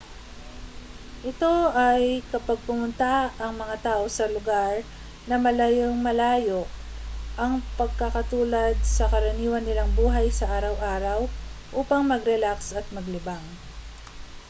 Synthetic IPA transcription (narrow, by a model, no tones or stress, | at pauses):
ʔɪt̪o̞ʔɐjkɐpɐɡ̚pʊmʊnt̪aʔɐŋmɐŋat̪aːʔo̞sɐlʊɡaɾ | nɐmɐlajoŋmɐlaːjoʔʔɐŋpɐɡ̚kɐkɐt̪uːlɐd̪̚sɐkɐɾɐniːwɐnːɪlaŋbuːɦɐjsɐʔaːɾɐwʔaːɾɐwʔuːpɐŋmɐɡɾɛlaksɐt̪̚mɐɡlɪbaŋ